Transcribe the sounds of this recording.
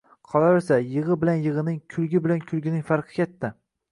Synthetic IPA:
qʰɒlaɾɪsajɨʁɨbɪlanjɨʁɨnɪŋkʲʰʊlˠɡʲɪbɪlankʲʰʊlˠɡʲɪnɪŋfaɾqʰɨ̥kʲʰet̪ːa

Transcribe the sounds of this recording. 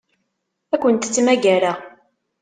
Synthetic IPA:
ækʷːənt̪t͡sːmæʝæɾa

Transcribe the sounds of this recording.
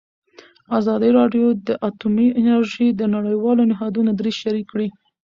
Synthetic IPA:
azɑd̪iɾɑɖjod̪əʔat̪umiʔɪnaɾʒid̪ənaɽəjwɑlonɪɦɑd̪unad̪ɾizʃaɾikːɽi

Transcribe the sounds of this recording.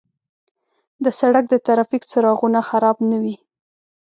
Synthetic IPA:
d̪əsaɽak̚d̪ət̪aɾɑfikt͡səɾɑɣunaxaɾɑbnawi

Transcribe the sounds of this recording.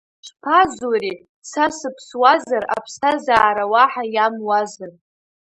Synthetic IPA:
ʃʷpʰazuri | sasɨpʰswazara̰pʰsazaːɾawaħajamwazɨr

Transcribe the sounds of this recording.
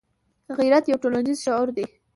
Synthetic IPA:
ɣiɾat̪jawʈolanizʃɑʊɾd̪e

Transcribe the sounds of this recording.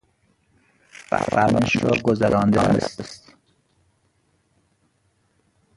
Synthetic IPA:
væ̰fæ̰ɾmeʃɾɒ̰ːɡozæɾʔɒːnd̪eːnḛst̪st̪

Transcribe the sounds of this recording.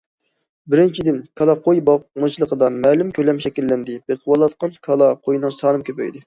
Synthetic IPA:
bɪɾɪnt͡ʃʰid̪ɪnkʰɑlˠɑqʰojbɑmɨt͡ʃʰlˠəqʰəd̪ɑnmɛːlymkʲʰølɛmʃɛkʲilːɛnd̪ɪb̥eqʰwɑlˠɑt̪̚qɑnkʰɑlˠɑqʰojnɨŋsɑːnɨmkʲʰøpɛ̰jd̪ɪ

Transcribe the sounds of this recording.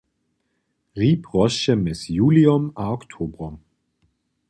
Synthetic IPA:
ʁiːpʰʁɔsəmɛsjuːliɔmaɔktʰoːbʁɔm

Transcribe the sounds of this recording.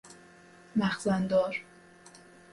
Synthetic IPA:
mæxzænd̪ɒːɾ

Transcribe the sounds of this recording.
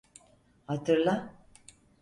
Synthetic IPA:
hat̪ʰɯɾlˠa

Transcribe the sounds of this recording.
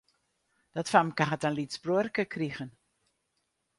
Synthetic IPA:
d̥ɔtfamkaɦətanlitsbruərkəkʰriɣən

